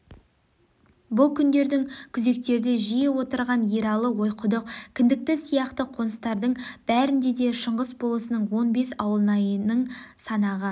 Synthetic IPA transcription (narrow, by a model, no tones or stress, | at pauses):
bʊlˠkʲʰʏnd̪e̞ɾd̪ɪŋkʲʰʏze̞k̚t̪e̞ɾd̪ɪʒijɪwo̞t̪əɾʁɑnjeɾɑlˠəwo̞jqʰʊd̪əqkʲʰɪnd̪ɪk̚t̪ɪsijɑqt̪əqʰo̞nəst̪ɑɾd̪əɴb̥æɾɪnd̪e̞d̪e̞ʃəɴʁəsbo̞lˠəsənəɴwo̞nbe̞sɑwəlˠənɑjənəɴsɑnɑʁə